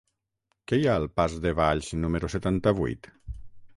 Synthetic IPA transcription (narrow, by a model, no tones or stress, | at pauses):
kɛjaəlˠpazðeβaʎʃnumeɾuset̪ant̪aβṵjt̪